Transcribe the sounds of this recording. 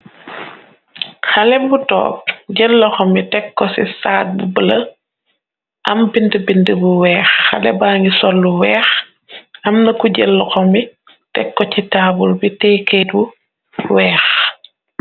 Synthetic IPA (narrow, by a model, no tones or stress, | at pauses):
xɐlɛbutɔ̰ːp̚ɟəlːɔxɔmitɛkːɔsisaːt̚bubəlɐ | ʔɐmbindəbindəbuwɛːxːɐ̰lɛ̰baːŋisɔlːuwɛːx | ɐmnɐkuɟelːɐxɔmi | tɛkːɔcitaːbulbitɛːkeːt̚bu | wɛːx